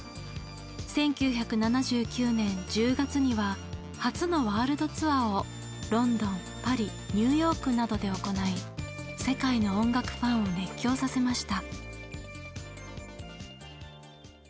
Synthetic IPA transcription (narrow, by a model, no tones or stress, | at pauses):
sẽ̞ŋkʲɨːçakɯ̟nanaʑɨːkʲɨːnẽ̞ɲ̟d͡ʑɨːɡat͡sɨɲ̟iβa | hat͡sɨno̞βaːɾɯ̟d̪o̞t͡sɨβao | ɾõ̞nd̪õ̞m | paɾʲi | ɲ̟ʲɨːjo̞ːkɯ̟nad̪o̞d̪e̞o̞ko̞naise̞kainõ̞ːŋɡakɯ̟̥pãɰ̃o̞ne̞kʲːo̞ːsase̞maɕi̥t̪a